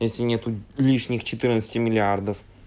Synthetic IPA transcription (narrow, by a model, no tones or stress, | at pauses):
jesʲlʲɪnʲet̪ʊlʲiʂnʲɪxt͡ɕɪt̪ɨrnət̪sə̥t̪ʲɪmʲɪlʲɪard̪əf